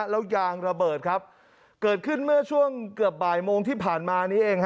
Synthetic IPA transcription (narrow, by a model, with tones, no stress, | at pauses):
lɛː˦˥wjaː˧ŋɾa˧bɤː˨˩t̪̚kʰa˦˥p̚ | kɤː˨˩t̪̚kʰɯ˥˩nmɯ˥˩ɐt͡ɕʰu˥˩əŋkɯ˨˩əp̚baː˨˩jmoː˧ŋt̪ʰiː˥˩pʰaː˨˩nmaː˧niː˦˥ʔeː˧ŋh